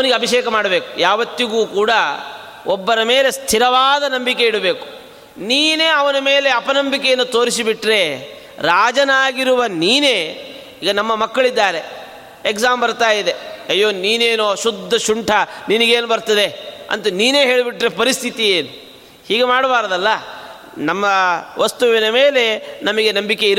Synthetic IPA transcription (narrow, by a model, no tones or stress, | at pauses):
ɐʋɐniɡeɐbʱiʃɛːkɐmaːɽɐbeːku̥jaːʋɐt̪ːiɡuːkuːɽɐ | ɔbːɐɾɐme̞ːle̞st̪ʰiɾɐʋaːd̪ɐnɐmbikeiɽɐbe̞ːku̥ | niːneːɐʋɐnɐme̞ːle̞ɐpɐnɐmbikejɐnːut̪o̞ːɾisibiʈɾe̞ | ɾaːd͡ʒɐnaːɡiɾuʋɐniːne̞ː | iːɡɐnɐmːɐmɐkːɐɭid̪ːaːɾe | ekzaːmbɐɾt̪aːjid̪e̞ɐjːoːniːneːnoʃud̪ʱːɐʃuɳʈʰɐniniɡeːnubɐɾt̪ɐd̪e̞ɐ̰nt̪uniːne̞ːɦe̞ːɭibiʈɾe̞pɐɾist̪ʰit̪ijeːnu | hiːɡemaːɽɐbaːɾɐd̪ɐlːɐ | nɐmːɐʋɐst̪uʋinɐme̞ːle̞nɐmɐɡe̞nɐmbike̞iɾ